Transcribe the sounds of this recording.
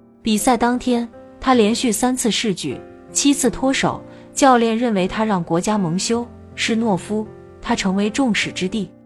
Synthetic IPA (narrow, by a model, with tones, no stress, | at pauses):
pi˨˩sa˥˩ɪt̪ɑ˥ŋt̪ʰjɛ˥n | t̪ʰa˥ljɛ˧˥nɕy˥˩sa˥nt͡sʰɹ̩˥˧ʂɻ̩˥˧t͡ɕy̰˥˩ | t͡ɕʰi˥t͡sʰɹ̩˥˩t̪ʰwɔ˥ʂo˨˩˦ʊ | t͡ɕjɑ˥˧ʊljɛ˥˧nɻə˥˩nwe˧˥ɪt̪ʰa˥ɻɑ˥˩ŋkwɔ˧˥t͡ɕja˥mɤ˧˥ŋɕjo˥ʊ | ʂɻ̩˥˧nwɔ˥˩fu˥ | t̪ʰa˥ʈ͡ʂʰɤ˧˥ŋwe˧˥ɪʈ͡ʂʊ˥˩ŋʂɻ̩˨˩ʈ͡ʂɻ̩˥t̪i˥˩